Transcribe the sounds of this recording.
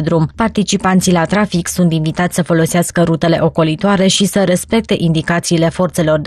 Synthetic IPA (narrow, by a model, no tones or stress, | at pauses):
d̪ɾumpart̪it͡ʃipant̪silat̪ɾafiksunt̪invit̪at̪sʲsəfo̞lo̞seaskəɾut̪e̞le̞̰ʔo̞ko̞lit̪oaɾe̞ʃisəɾe̞spe̞k̚t̪e̞ʔind̪ikat̪siːle̞fo̞rt̪se̞lo̞rd̪